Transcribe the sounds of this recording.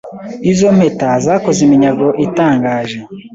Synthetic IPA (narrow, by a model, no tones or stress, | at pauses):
izom̥etazaːkozimiɲaɡo̞ʔitaːŋɡaːʒe̞